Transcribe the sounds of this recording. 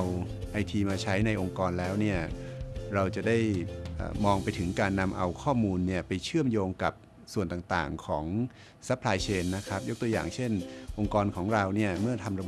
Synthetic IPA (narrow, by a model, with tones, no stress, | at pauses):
a˧w | ʔa˧jt̪ʰiː˧maː˧t͡ɕʰa˦˥jna˧jʔo˧ŋkɔː˧nlɛː˦˥wni˥˩ɐɾa˧wt͡ɕa˨˩da˥˩jʔə̰ː˨˩mɔː˧ŋpa˧jt̪ʰɯ˩˦ŋkaː˧nːa˧mʔa˧wkʰɔː˥˩muː˧nːi˥˩ɐpa˧jt͡ɕʰɯ˥˩əmjoː˧ŋka˨˩p̚ | su˨˩ənt̪aː˨˩t̪a̰ː˨˩ŋkʰɔ̰ː˩˦ŋ | sa˦˥pʰlaː˧jt͡ɕʰeː˧nːa˦˥kʰa˦˥p̚jo˦˥k̚t̪u˧ja̰ː˨˩ŋt͡ɕʰe˥˩nʔo˧ŋkɔː˧nkʰɔː˩˦ŋɾa˧wni˥˩ɐmɯ˥˩ɐt̪ʰa˧mɾa˧b